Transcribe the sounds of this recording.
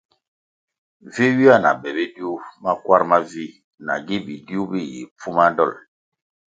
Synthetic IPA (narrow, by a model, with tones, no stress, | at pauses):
vi˦wi˦a˦˨na̰˨bɛ˨be˦di˦u˦ma˦kwa˦ɾma˦vi˦ | na̰˨ɡi˦bi˨di˦u˦bi˦jḭ˨pu˦ma˦dɔ̰˦˨l